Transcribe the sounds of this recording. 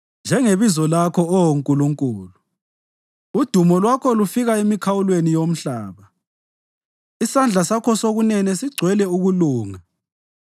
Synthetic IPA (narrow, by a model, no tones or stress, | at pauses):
nd͡ʒʱɛŋeβizɔlakʰɔɔwoŋkʼuluŋkʼuːlu | ud̥ʱumɔlwakʰɔlufiɣaemikʰawulwenijom̩ɬaːβa | isand͡ɮʱasakʰɔsoɣunɛnɛsiɡ͡ǀʱwɛlɛuɣuluːŋa